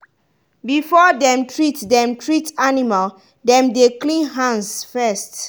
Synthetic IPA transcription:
bifɔdɛ̃mtʰɹitdɛ̃mtʰɹitanimal | dɛ̃mdeklĩnɦãnsfɛst

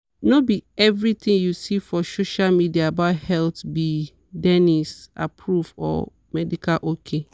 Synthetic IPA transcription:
nobiɛvɾit̪ĩŋjusifɔsoʃalmidiaːbaʊthɛltbi | dɛnisa̰pʰɹufɔ̰ | mɛdikʰalʔokʰe

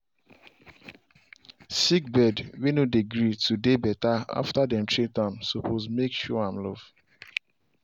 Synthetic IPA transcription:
sikbɛdwinodeɡɾitudebɛtaa̰ftadɛ̃ntɹitãmsɔpʰozmekʃɔãmlɔv̥

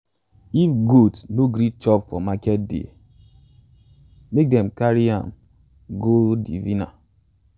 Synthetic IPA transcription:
iɡotsnoɡɾit͡ʃɔpfɔmakɛt̚dḛ | mek̚dɛm̩kaɾia̰m̩ | ɡodivina̰

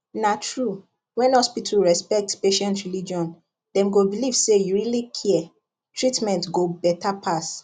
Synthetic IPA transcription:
natɹu | wɛ̃nhɔspitʰuɹɛspɛk̚tpeʃɛ̃ntɹilid͡ʒiɔ̃n | dɛ̃mɡobilivsejuɹilikʰiɛ | tʰɹitmɛ̃ntɡobɛtapʰas

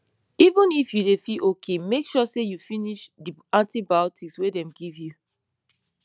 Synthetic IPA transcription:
ivũnifjudefiʔokʰemekʃɔsejufiniʃdiãntibaɔtikswedɛ̃mɡivju

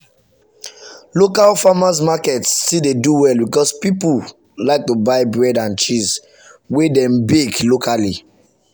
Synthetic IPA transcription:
lokalfamas̬makɛtstildeduwɛlbikɔspipul | laɪk̚tubaɪbɹɛdãnt͡ʃis | wedɛ̃mbeklokʰali

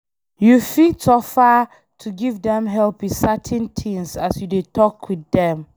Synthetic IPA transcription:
jufitɔfa | tʰuɡivdɛ̃mɦɛlpisatʰɛ̃ntʰĩŋsasjudetʰɔkʰwiðɛ̃m

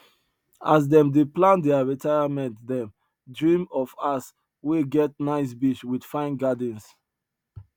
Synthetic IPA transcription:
asdɛ̃mdeplãndɛaɹitʰaɪamɛ̃ntdɛ̃m | dɹĩmɔfas | wiɡɛt̚naɪs̬biʃwidfãɪ̃nɡadĩns

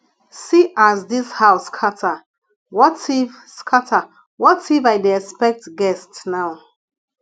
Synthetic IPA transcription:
siʔazdishaʊskʰatʰa | wɔtiv | skʰatʰa | wɔtivaɪdiɛkspɛk̚tɡɛstsnaʊ

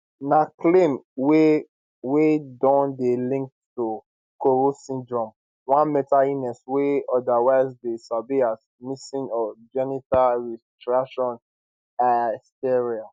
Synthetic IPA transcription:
naklẽmwe | wedɔ̃ndelĩŋk̚ttu | koɹosĩndɹɔ̃m | wãnmɛtainɛsweɔdawaɪzdesabias | misĩnɔd͡ʒɛnitalɹɛstɹaʃɔ̃n | astɛɹial

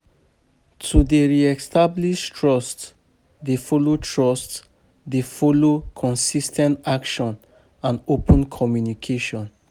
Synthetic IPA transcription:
tʰudeɹiɛstabliʃtʰɹɔst | defɔlotʰɹɔst | defɔlokʰɔ̃nsistʰɛ̃ntakʃɔ̃n | ãnopʰə̃nkʰɔmjunikʰeʃɔ̃n

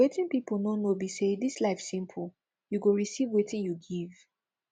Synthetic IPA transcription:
etĩnpipol̩nonobisedislaɪfsĩmpʰo | juɡoɹisivwetĩnjuɡiv

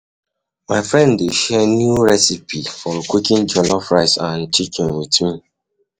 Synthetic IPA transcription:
maɪfɹɛ̃ndːeʃɛnjuɹɛsipifɔkʷikĩnd͡ʒɔlɔfɹaɪsãntikĩnwitmi

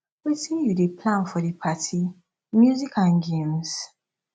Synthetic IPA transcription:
witĩjudepʰlãnfɔdepʰatʰi | mjuzikãnɡẽms

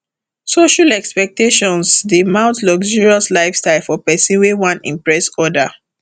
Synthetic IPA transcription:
soʃalɛkspɛk̚teʃɔ̃nsdemãʊ̃ntlɔɡd͡ʒiɹiɔslaɪfstaɪlfɔpɛsĩnwewãnḭ̃mpɹɛsɔda

